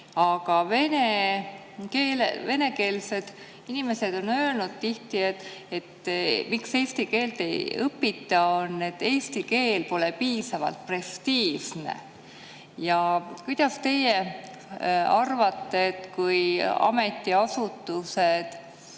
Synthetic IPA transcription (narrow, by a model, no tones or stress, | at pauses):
ɑɡ̥ɑve̞ne̞ | keːlḛve̞ne̞ke̞ːlse̞d̪̥ | inime̞se̞d̪̥o̞nø̞ːlnud̪̥̚t̪iht̪iet̪et̪ːmikse̞jst̪ike̞ːlt̪e̞̰jɤpːit̪ːˑɑonːe̞t̪ːe̞jst̪ike̞ːlpo̞lepiːsɑvɑ̰lt̪̚pre̞st̪iːsne̞̰ | jɑkujd̪̥ɑst̪e̞je | ɑrvɑt̪ːe̞ːt̪kujɑ̰me̞t̪ːˑiɑsut̪ːˑuse̞d̪̥